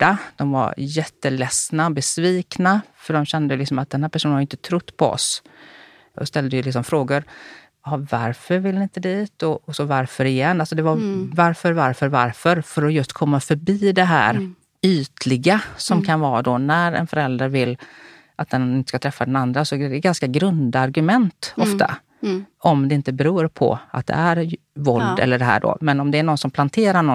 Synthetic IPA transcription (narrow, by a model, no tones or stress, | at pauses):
ɖad̪̥ɔmva̰ɾjɛt̪ːəlɛsnaɔbɛsviːknafœɖɔmɕɛnd̪əjlɪksɔmat̪̚d̪ɛnhæːɾpæʂuːnhajɪnt̪ət̪ʰɾʊt̪ːpʰɔɔ̰s | ɔst̪ɛld̪əjɵlɪksɔmfɾoːɡʊɾ | hɑva̰ɾfœɾvɪlnɪɪnt̪əd̪iːt̪ɔɔsɔvaɾfœɾɪjɛnːalsɔd̪ɛvavaɾfœɾvaɾfœɾvaɾfœɾfœɾɔjɵst̪kʰɔmːafœɾbiːd̪ɛɦæ̰ːɾ | yːt̪ʰlɪɡasɔmkʰanvɑːd̪ɔnæɾɛ̰nfœɾɛld̪ɾaɾvɪlː | ʔat̪̚d̪ɛnɪnt̪ə̥skat̪ʰɾɛfːad̪ɛnand̪ɾasɔd̪ɛɡanskaɡɾɵnd̪aɾɡɵmɛnt̪ɔftt̪ʰa̰ | ɔmd̪ɛɪnt̪əbɛɾuːɾpʰɔ̰a̰t̪̚d̪ɛ̰æɾ | vɔld̪ɛ̰lːəɖɛɦæ̰ːɖo̰mɛnɔmd̪ɛːɳɔnsɔmpʰlant̪ʰeːɾaɳɔ